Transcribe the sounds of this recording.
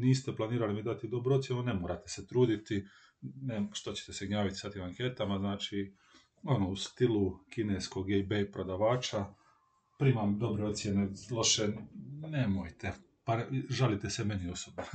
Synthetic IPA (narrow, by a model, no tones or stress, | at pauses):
niːst̪eplˠaniːɾalimid̪at̪id̪o̞bɾuot̪sjenune̞moːɾat̪e̞se̞t̪ɾuːd̪it̪i | neʃt̪o̞t͡ɕe̥t̪eseɡɲaːʋit̪i̥sat̪imaŋke̞t̪amaznaːt͡ʃi | o̞noust̪ilukineːsko̞ɡebejpɾo̞d̪aʋaːt͡ʃa | pɾiːmamd̪o̞bɾeo̞t̪sʲje̞nelˠo̞ʃene̞mojt̪e̞ | paʒalit̪eseme̞nio̞sobna